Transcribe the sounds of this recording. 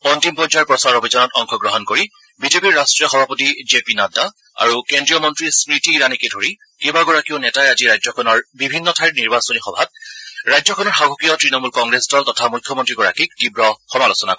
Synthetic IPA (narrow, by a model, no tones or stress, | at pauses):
pɔntimpɔzaɹpɹɔsaɹobʱizɔnɔtɔŋxʰɔɡɹɔɦɔnkoɹi | bizepiɹːastɹijɔxɔbʱapotizepinada | a̰ɹukendɹijɔmɔntɹispɹitiːɹanikedʱoɹi | kebaɡɔɹakiʊnɛtaɛaziɹajzɔkʰɔnɔɹbibʱinːɔtʰajɹniɹbasɔnixɔbʱat̚ɹajzɔkʰɔnɔɹxaɡʱɔkijɔtɹinɔmulkɔŋɡɹesdɔltɔtʰamujkʰjɔmɔntɹiɡɔɹa̰kik̚tibɹɔxɔmalosɔna̰kɔ